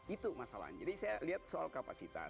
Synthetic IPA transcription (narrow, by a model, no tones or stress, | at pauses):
it̪umasala̰hnd͡ʒadisajaliat̪̚soalkapasit̪a̰